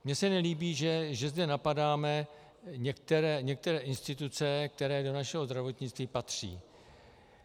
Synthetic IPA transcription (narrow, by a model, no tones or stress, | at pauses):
mɲɛsɛnɛliːbiːʒɛʒɛzdɛnapadaːmɛ | ɲɛk̚t̪ɛɾɛːɲɛk̚t̪ɛɾɛːʔɪnst̪ɪt̪ut͡sɛk̚t̪ɛɾɛːdo̞naʃɛɦo̞zd̪ɾavo̞t̪ɲɪt͡st̪viːpat̪r̝̥ḭː